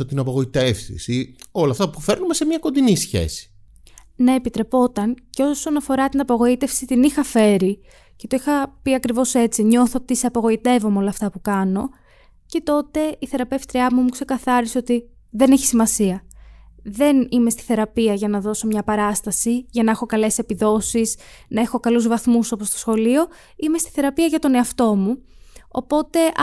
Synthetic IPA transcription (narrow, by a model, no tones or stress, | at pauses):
ot̪inɐpɐɣo̞it̪efsḭsio̞lɐft̪ɐpufe̞ɾnumesemɲɐko̞nd̪inisçe̞̰si̥ | neːpit̪ɾe̞po̞t̪ɐnce̞o̞so̞nɐfo̞ɾɐt̪inɐpoɣo̞it̪e̞fsit̪inixɐfe̞ɾi | ce̞t̪o̞ixɐpiɐkɾivo̞se̞t͡siɲo̞θot̪iseɐpoɣo̞it̪e̞vo̞meo̞lɐft̪ɐpukɐno̞ | ce̞t̪o̞t̪e̞iθe̞ɾɐpefst̪ɾiɐmumukse̞kɐθɐɾiseo̞t̪i | ðe̞ne̞çi̥simɐsiɐ | ðe̞nimest̪i̥θe̞ɾɐpiɐʝɐnɐðo̞so̞mɲɐpɐɾɐst̪ɐsiʝɐnɐexo̞kɐle̞se̞piðo̞siznɐe̞xo̞kɐluzvɐθmuso̞post̪osxo̞lio̞ | imest̪i̥θe̞ɾɐpiɐʝɐt̪o̞ne̞ɐft̪o̞muo̰po̞t̪e̞